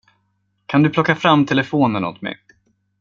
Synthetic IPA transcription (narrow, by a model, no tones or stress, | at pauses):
kʰand̪ɵpʰlɔkːafɾamːt̪ʰɛləfoːnəno̰t̪mɛ̰